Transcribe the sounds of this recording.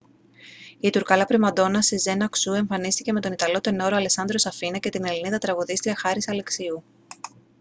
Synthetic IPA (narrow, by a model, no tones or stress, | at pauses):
it̪uɾkɐlɐpɾimɐd̪o̞nɐseze̞nɐksue̞ɱfɐnist̪ice̞me̞t̪o̞nit̪ɐlo̞t̪e̞no̞ɾoɐlesɐnd̪ɾo̞sɐfinɐce̞t̪ine̞liniðɐt̪ɾɐɣuðist̪ɾiɐxɐɾisɐle̞ksiu